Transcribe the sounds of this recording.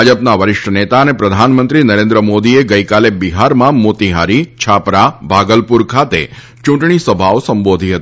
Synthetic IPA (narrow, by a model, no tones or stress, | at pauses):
ad͡ʒəpnaʋəɾɪʃʈənet̪aənepɾəd̪ʱanmənt̪ɾinəɾẽnd̪ɾəmod̪ieɡəjkalebiɦaɾmãmot̪iɦaɾit͡ʃʰapɾabʱaɡəlpuɾkʰat̪ḛ | t͡ʃũɳʈɳ̃isəbʱaosəmbod̪ʱiɦət̪i